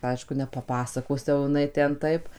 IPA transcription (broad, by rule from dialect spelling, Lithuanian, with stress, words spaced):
ˈɐɪʃkʊ nʲɛpɐˈpɑːsɐkoːs jɛʊ jɪˈnɐɪ ˈtʲɛn ˈtɐɪp